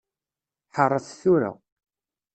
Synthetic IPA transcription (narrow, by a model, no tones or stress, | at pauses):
ħərˤːəθθuɾa̰